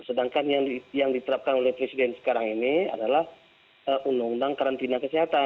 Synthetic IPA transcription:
sədaŋkanjaŋijaŋdit̪əɾap̚kanolɛhpɾesidɛnsə̥kaɾaŋinia̰dalah | əunʊŋdaŋkaɾant̪inakəsiɦat̪a

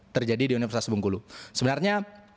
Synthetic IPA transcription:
t̪ərd͡ʒadidiunifərsasibuŋkulusəbənarɲa

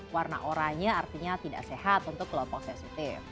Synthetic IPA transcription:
warna̰ʔoɾaɲaːrt̪iɲat̪ida̰ʔsehat̪unt̪ʊkːəlɔmpɔk̚sɛsit̪ɪf

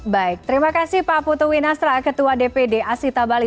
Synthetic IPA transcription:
baɪk̚t̪əɾimakasɪhpaput̪uwinast̪ɾakət̪uadepedeʔasit̪abali

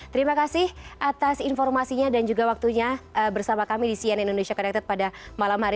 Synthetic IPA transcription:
t̪əɾimakasɪhʔat̪asinfɔrmasiɲadand͡ʒuɡawak̚t̪uɲaəbərsamakamidisianindonesiakənak̚t̪at̪̚padamalamhaɾi

